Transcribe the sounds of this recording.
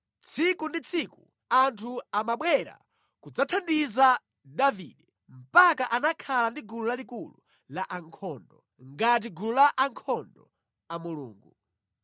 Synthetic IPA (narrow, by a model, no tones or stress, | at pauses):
t͡sʰikundit͡sʰiku | antʰuamaɓwɛɾa̰ | kud͡zatʰandiza | daviɗɛ | m̩pakaʔanakʰalandiɡululalikulu | laʔaŋkʰɔndɔ | ŋɡat̬iɡululaʔaŋkʰɔndɔ̰ | amulṵːŋɡu